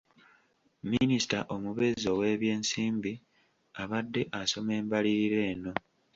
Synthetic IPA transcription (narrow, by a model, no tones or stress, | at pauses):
minisi̥taʔo̞muβe̞zo̞we̞ːβje̞ːnsiːmbi | aβadːe̞ʔaso̞me̞ːmbaliɾiɾe̞ːno̞